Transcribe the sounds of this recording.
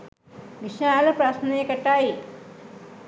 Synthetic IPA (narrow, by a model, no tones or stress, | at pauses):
ʋiʃaːlɐpɾasneekɐʈːaːji